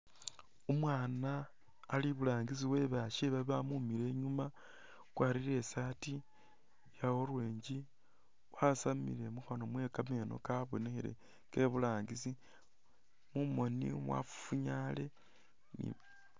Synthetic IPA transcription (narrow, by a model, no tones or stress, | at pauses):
omwaːnaː | liβulaːŋɡisiwe̞βaʃeβaβamumiɾe̞ɲuma | kwaːɾiɾe̞sati | jawoɾweːɲɟi | wasamḭle̞muxonomwe̞kame̞no̞̰kaβonexeɾe̞̰ | ke̞βulaːŋɡisi | mumo̞nḭmwa̰fu̥fuɲale̞ | nḭ